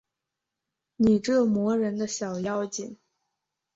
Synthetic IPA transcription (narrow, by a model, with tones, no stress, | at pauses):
ni˨˩ʈ͡ʂɤ˥˩mwɔ˧˥ɻə˧˥nd̪ə˧ɕjɑ˨˩ʊjɑ˥ʊt͡ɕi˨˩ŋ